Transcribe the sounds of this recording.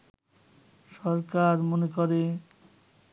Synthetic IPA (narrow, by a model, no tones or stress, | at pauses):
ʃɔɾkaɾmonekoɾe